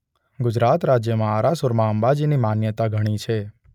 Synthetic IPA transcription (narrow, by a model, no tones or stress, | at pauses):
ɡʊd͡ʒɾat̪ɾad͡ʒjəmãaɾasʊɾmãəmbad͡ʒinimanjət̪aɡʱəɽ̃it͡ʃʰe